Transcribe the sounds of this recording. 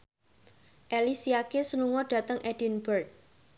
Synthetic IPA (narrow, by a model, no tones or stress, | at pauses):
ʔelisiakesənuŋɔɖ̥ä̤t̪əŋʔɛd̥i̤nbərt̪̚